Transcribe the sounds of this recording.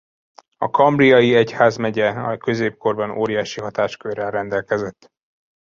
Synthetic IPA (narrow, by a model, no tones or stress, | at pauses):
ɒ̰kʰɒmbriɒjiɛchaːzmɛɟɛɒkø̞zeːp̚ko̞rbɒnoːɾijaːʃiɦɒt̪aːʃkørːɛlɾɛnd̪ɛlkɛzɛt̪ː